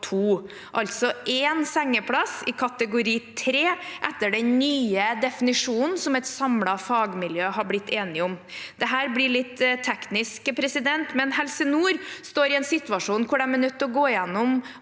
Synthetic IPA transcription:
t̪ʰuː | ʔɑlt̪sɔʔensɛŋːəpʰɽɑsɪkʰɑt̪əɡʊɾiːt̪ʰɾeːʔɛt̪ːəɖɛnnyːəd̪ɛfɪnɪʂuːnn̩sɔmɛt̪sɑmlɑfɑːɡmɪljøːhɑɾblɪt̪ːeːnɪɔmd̪̥ɛɦæːɾblɪɭɪt̪ːt̪ʰːɛknɪskəpʰɾɛsɪd̪ɛnt̪mɛnhɛlsənuːɾst̪oːɾɪɛːnsɪt̪ʋɑʂuːnkʰʊɖɛmənʉt̪ːɔɡoːɪjɛnːʊm

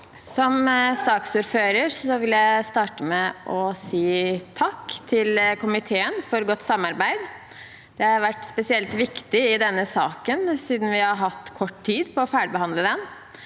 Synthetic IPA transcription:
sɔmsɑːksuːɾføːɾəɾsɔʋɪljæɪst̪ɑːʈəmɛʔɔsiːt̪ʰɑkːt̪ʰɪlkʊmɪt̪ʰeːənfɔɾɡɔt̪ːsɑmːɑɾbæɪd̪ | d̪̥ɛhɑɾʋæʈːspɛsɪɛlt̪ʋɪkt̪ɪɪd̪ɛnːəsɑːkənsiːd̪n̩ʋɪhɑɾɦɑt̪ːkʰɔʈːtʰiːd̪pʰɔːfæːɖəbəhɑnd̪ləd̪ɛn

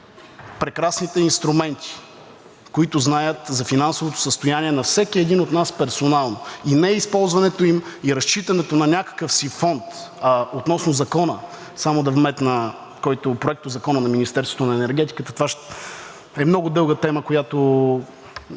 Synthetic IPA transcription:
pɾɛkɾasnit̪ɛinst̪ɾumɛnt̪i̥ | koit̪ʊznajət̪zɐfinansovot̪o̥səst̪ojaniɛnɐfsɛkiɛd̪inot̪naspɛɾsonalˠnoinɛɛispɔlˠzvɐnɛt̪oimiɾɐst͡ʃit̪ɐnɛt̪onɐnʲakə̥kəfsifɔnt̪ot̪nɔsnʊzɐkɔnə | samod̪ɐvmɛt̪nɐ | kɔjt̪ʊpɾoɛk̚t̪ozɐkɔnənɐminist̪ɛɾst̪vot̪onɐɛnɛɾɡɛt̪i̥kət̪ət̪ovaʃ | ɛmnɔɡʊd̪ɤlˠɡət̪ɛməkojat̪o

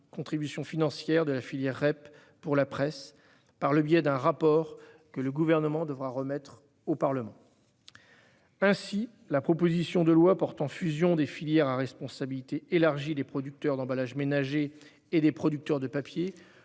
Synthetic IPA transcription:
kɔ̃t̪χibysjɔ̃finɑ̃sjɛʁd̪əlafiljɛʁːɛpː | uʁlapχɛs | paʁləbjɛd̪ɛ̃ʁapɔʁ | kələɡuvɛʁnəmɑ̃d̪əvʁaʁəmɛt̪χ | opaʁləmɑ̃ | ɛ̃si | lapχɔpozisjɔ̃d̪əlwapɔʁt̪ɑ̃fyzjɔ̃d̪efiljɛʁaʁɛspɔ̃sabilit̪eʔelaʁʒid̪epχɔd̪yk̚t̪œʁd̪ɑ̃balaʒmenaʒeː | d̪epχɔd̪yk̚t̪œʁd̪əpapje

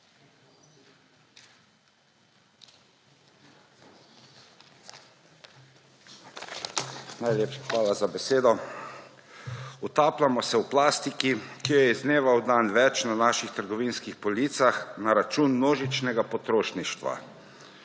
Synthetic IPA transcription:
najleːpʃḁxʋaːlazabɛseːd̪ɔ | ut̪aːplamɔsɛwplaːst̪ikikijɔjɛizneːʋawd̪anʋɛt͡ʃnanaːʃixt̪əɾɡɔʋiːnskixpɔlit̪saxnaɾat͡ʃuːnmnoːʒit͡ʃnɛɡapɔt̪ɾoːʃniʃt̪ʋa̰

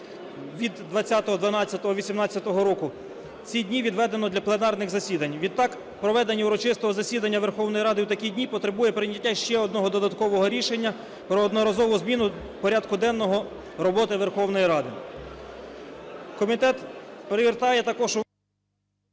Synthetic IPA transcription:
ʋʲid̪ːʋɐt͡sʲːat̪ɔɦɔd̪ʋɐnɑt͡sʲːɐt̪ɔɦɔʋʲisʲimnɑt͡sʲːɐt̪ɔɦɔɾɔkʊ | t͡sʲidʲnʲiʋʲid̪ʋɛd̪enɔd̪lʲɐplˠenɑrnɪɣzɐsʲid̪ɐnʲʋʲid̪̚t̪ːɑk | pɾɔʋɛd̪enʲːiuɾɔt͡ʃɪst̪ɔɦɔzɐsʲid̪ɐnʲːɐʋerxɔwnɔjiɾɑd̪ɪwt̪ɐkʲidʲnʲipɔt̪ɾebujɛpɾɪnʲɐtʲːaʃt͡ʃɛɔd̪̚nɔɦɔd̪ɔd̪ɐt̪kɔʋɔɦɔɾʲiʃenʲːɐ | pɾɔːd̪nɔɾɐzɔʋʊzmʲinʊ | pɔɾʲad̪kʊd̪ɛnːɔɦɔ | ɾɔbɔt̪ɪʋerxɔwnɔjiɾɑd̪ɪ | kɔmʲit̪ɛt̪peɾɪʋʲirt̪ɑjɛt̪ɐkɔʒ

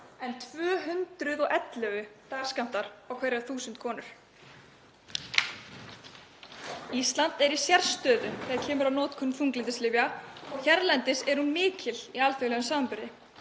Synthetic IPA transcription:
ɛnt̪ʰvœːɦʏnt̪ɾʏðɔɣɛt̪lɛɣʏt̪aːɣskam̥t̪aɾ̥awkʰvɛɾjaθuːsʏnt̪kʰɔːnʏɾ̥ | ist̪lant̪ɛɾisjɛɾ̥st̪œːðʏθɛacʰɛːmʏɾawnɔːt̪kʰʏnfuŋklɪnt̪ɪslɪvjaɔɣçɛɾlɛnt̪ɪsɛɾ̥hunmɪːcɪliaːlfɛɣlɛɣʏmsaːmpʏɾðɪ

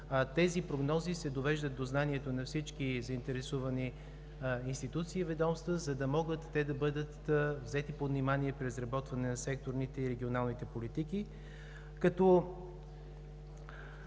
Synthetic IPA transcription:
t̪ɛzipɾoɡnɔzisɛd̪ovɛʒd̪ət̪̚d̪oznaniɛt̪onɐfsit͡ʃkizɐint̪ɛɾɛsuvɐni | inst̪it̪ut̪siːvɛd̪ɔmst̪vəzɐd̪ɐmɔɡət̪ːɛd̪ɐbɤd̪ət̪vzɛt̪ipod̪nimaniɛpɾizɾɐbɔt̪vɐnɛnɐsɛkt̪oɾnit̪ɛiɾɛɡʲionalˠnit̪ɛpolit̪iki | kɐt̪ɔ

